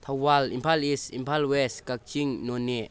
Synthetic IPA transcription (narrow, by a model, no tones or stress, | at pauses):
t̪ʰawwalḭmpʰalisimpʰalwɛskak̚t͡ʃiŋnɔnɛʔ